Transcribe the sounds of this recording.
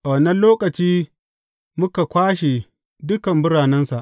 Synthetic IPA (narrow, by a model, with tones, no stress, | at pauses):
ʔa˨wɐ˨nːɐ˦nloː˦kɐ˨t͡ʃiː˦ | mʊ˦ka˨kʷaː˦ʃe˨ | dʊ˦kɐ˨mbʊ˦ɽaː˨nɐ˦nsa˨ʔ